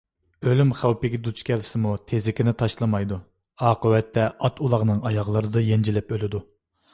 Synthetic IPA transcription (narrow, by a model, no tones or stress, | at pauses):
ølymχæwpɪɡʲɛd̪ut͡ʃkʲʰɛlsɪmut̪ʰezɪkʲʰɪnɪt̪ʰɑʃlˠɨmɑjd̪u | ɑːqəwɛt̪ːɛʔɑt̪ulˠɑʁnɨŋɑjɑʁlˠɨɾɨd̪ɑjɛnd͡ʒilɪpølɪd̪u